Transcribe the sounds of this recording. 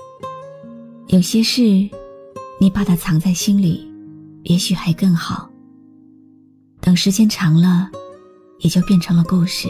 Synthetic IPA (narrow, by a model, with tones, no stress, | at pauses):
jo˨˩ʊɕjɛ˥ʂɻ̩˥˩ | ni˨˩pa˥˩t̪ʰa˥˩t͡sʰɑ˧˥ŋt͡sa˥˩ɪɕi˥nli˨˩˦jɛ˧˥ɕy˨˩xa˧˥ɪkɤ˥˩ŋxɑ˨˩˦ʊ | t̪ɤ˨˩ŋʂɻ̩˧˥t͡ɕjɛ˥nʈ͡ʂʰɑ˧˥ŋlə˧ | jɛ˨˩t͡ɕjo˥˧ʊpjɛ˥˩nʈ͡ʂʰɤ˧˥ŋlə˧ko˥˧ʊʂɻ̩˥˩